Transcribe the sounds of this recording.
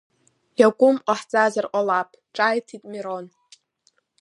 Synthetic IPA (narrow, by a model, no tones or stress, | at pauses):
jakʷʼʊmqʷʼaħt͡sʼazarqʷʼalapʼʰ | ʈ͡ʂʼajtʰitʼmiɾon